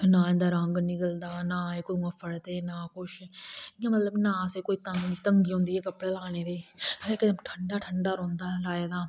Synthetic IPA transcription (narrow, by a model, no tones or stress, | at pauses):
nãːɛ̃nd̪aːɾəŋɡnɪkəld̪aːnaːeːkoiməfʰəɽd̪eːnaːkʊʃɪjãmət̪ləbnãːseːkoːiːt̪əŋit̪əŋɡiːɦõːnd̪iːɛːkəpːɽeːlaːneːd̪eːeːkəʈʰəɳɖaːʈʰəɳɖaːɾõːnd̪aːlaːeːd̪aː